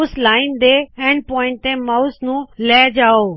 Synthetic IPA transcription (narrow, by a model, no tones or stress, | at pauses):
slaːɪnd̪eɛ̃ːnpɔ̃ːɪ̃ɳʈ̚t̪ẽmaʊsnũːlɛːd͡ʑaːoː